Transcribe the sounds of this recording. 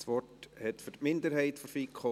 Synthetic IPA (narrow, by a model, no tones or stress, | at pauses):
sʋɔthɛtfʏɾtmɪndəɾɦɛɪtfɔfiːkʰχɔ